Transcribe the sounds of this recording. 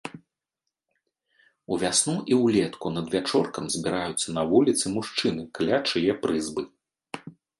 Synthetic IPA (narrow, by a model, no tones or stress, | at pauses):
uvʲasnuʔiwlʲɛt̪kunɐd̪vʲat͡ʂɔrkɐmzʲbʲiɾajut̪sːɐnɐvulʲit̪sɨmuʂt͡ʂɨnɨklʲat͡ʂɨjɛpɾɨzbɨ